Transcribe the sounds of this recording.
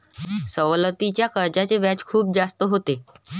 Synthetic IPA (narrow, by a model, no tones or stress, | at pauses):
səʋlət̪it͡ɕjakəɾd͡ʑat͡seʋjat͡skʰuːp̚d͡zast̪əɦot̪e